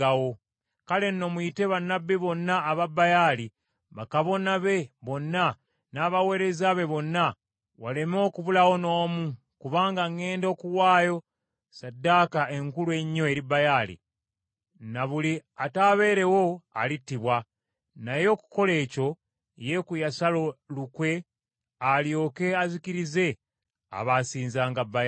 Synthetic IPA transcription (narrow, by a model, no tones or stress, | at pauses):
awo̞ | kale̞nːo̞muite̞βanːabːiβo̞nːaːβabajaːli | βakaβo̞naβe̞βo̞nːa | naːβawe̞ːɾe̞zaβe̞βo̞nːa | wale̞mo̞ːkuβulawo̞no̞ːmu | kuβaːŋɡaŋe̞ːndo̞ːkuwaːjo̞ | sadːaːkae̞ŋkulue̞ɲːoe̞ɾibajaːlḭ | naβuliataːβe̞ːɾe̞wo̞a̰litːiβwa | najo̞ːku̥ko̞le̞ːco̞ | je̞kujasalo̞lukwe̞ | aljo̞ːke̞azikiɾize̞ | a̰βasiːnzaːŋɡabːaja